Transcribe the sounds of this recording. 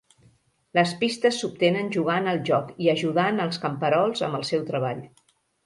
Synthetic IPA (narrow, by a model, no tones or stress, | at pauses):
ləspist̪əsːup̚t̪enənʲʒuɣ̞anəlˠʒɔkiəʒuðanəlˠskəmpəɾɔlˠzə̰mbəlˠsɛwt̪ɾəβ̞aʎ